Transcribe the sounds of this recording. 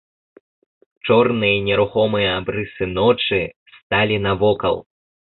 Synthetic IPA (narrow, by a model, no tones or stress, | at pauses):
t͡ʂɔrnɨjɐnʲɛɾuxɔmɨjɐabɾɨsɨnɔt͡ʂɨst̪alʲinɐvɔkɐ̰lˠ